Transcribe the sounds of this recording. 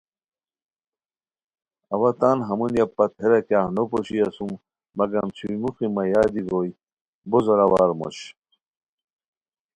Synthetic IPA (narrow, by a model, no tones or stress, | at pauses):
ɐwɐt̪aːnɦɐmunjapɐt̪̚heɾɐkjaːhnopoɕiɐsumː | ɐɡɐmt͡ɕʰuimuximɐjaːd̪iɡoj | bozoɾɐwaːɾmo̰ɕ